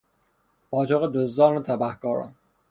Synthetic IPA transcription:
bɒːt͡ʃʰoɣed̪ozd̪ɒːnot̪ʰæbæhkɒːɾɒ̰n

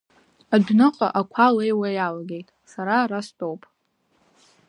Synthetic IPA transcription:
adᶣnɨqʼa̰ʔakʷʰalejwajalaɡʲe̞jtʼsaɾaɾastʼowpʼ

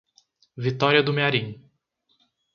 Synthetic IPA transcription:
vit̪ɔɾiɐd̪ʊmeaɾĩ

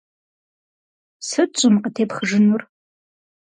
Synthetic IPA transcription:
sɨɕʷʼʊmqətʰeːpχəʐɨnur

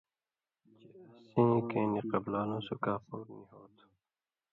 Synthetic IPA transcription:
t͡ʃeɐsẽːkẽːniqəblaːlõːsukaːpoːɾnĩːɦoːt̪

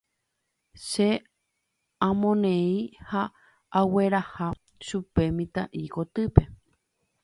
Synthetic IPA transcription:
ʃe | ãmõnẽĩhaː | we̞ɾaha | ʃupe̞mĩt̪aʔikot̪ɨpe̞

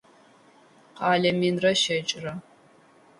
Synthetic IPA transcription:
qɑːɮɐminrɐʃɐt͡ʃʼrɐ

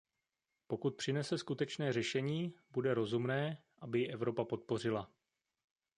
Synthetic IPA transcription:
po̞kut̪̚pr̝̥ɪnɛsɛskut̪ɛt͡ʃnɛːr̝ɛʃɛɲiːbudɛɾo̞zumnɛːʔabɪjɪʔɛvɾo̞papo̞t̪̚po̞rɪla

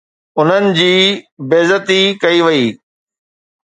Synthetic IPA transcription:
ʊn̤ənɪ̆d͡ʑiːbeːzət̪ikɐiʋɐiː

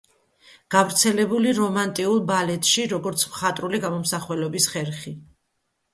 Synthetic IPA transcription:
ɡ̥avɾt̪sʰɛlɛbuliɾɔmant̪ʼiulˠbalɛt̪ʼʃiɾɔɡɔɾt̪sʰmχat̪ʼɾuliɡamɔmsaχwɛlɔbisχɛɾχi

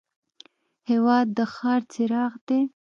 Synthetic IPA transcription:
hewɑd̪ːəxɑɾt͡sɪɾɑɣd̪e

